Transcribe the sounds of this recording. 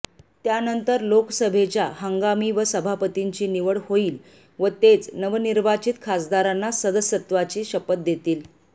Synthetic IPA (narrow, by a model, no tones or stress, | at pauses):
t̪janənt̪əɾloksəbʱet͡ɕjahəŋɡamiːʋəsəbʱapət̪iɲt͡ɕiːniʋəɽhoiːl | ʋət̪et͡snəʋniɾʋat͡ɕit̪kʰasd̪aɾanːasəd̪əsət̪ʋat͡ɕiːɕəpət̪̚d̪et̪iːl